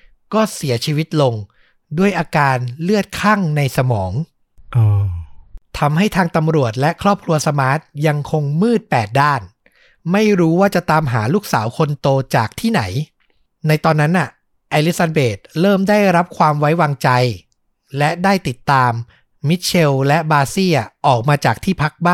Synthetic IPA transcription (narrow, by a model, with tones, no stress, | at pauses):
kɔː˥˩si˩˦ɐt͡ɕʰiː˧wi˦˥t̪̚lo˧ŋ | du˥˩əjʔaː˧kaː˧nlɯ˥˩ət̪̚kʰa˥˩ŋna˧jsa˧mɔː˩˦ŋ | ʔɤː˧˩ | t̪ʰa˧mɦa˥˩jt̪ʰaː˧ŋt̪a˧mɾu˨˩ət̪̚lɛ˦˥ʔkʰɾɔː˥˩p̚kʰɾu˧ɐsa˧maː˦˥t̪̚ja˧ŋkʰo˧ŋmɯː˥˩t̪̚pɛː˨˩t̪̚daː˥˩n | ma˥˩jɾuː˦˥waː˥˩t͡ɕa˨˩t̪aː˧mɦaː˩˦luː˥˩k̚saː˩˦wkʰo˧nt̪oː˧t͡ɕaː˨˩k̚t̪ʰiː˥˩na˩˦j | na˧jt̪ɔː˧nːa˦˥nʔa˨˩ | ʔa˧li˦˥sa˧beː˨˩t̪̚ɾɤː˥˩mdaː˥˩jɾa˦˥p̚kʰwaː˧mwa˦˥jwaː˧ŋt͡ɕa˧j | lɛ˦˥ʔdaː˥˩jt̪i˨˩t̪ːaː˧mː | i˦˥t̪̚t͡ɕʰe˧wlɛ˦˥baː˧siː˥˩ʔɔː˨˩k̚maː˧t͡ɕaː˨˩k̚t̪ʰiː˥˩pʰa˦˥k̚baː˥˩